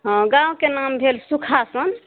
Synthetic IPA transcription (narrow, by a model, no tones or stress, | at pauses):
ɦə̃ɡãwkenambʱelsukʰasən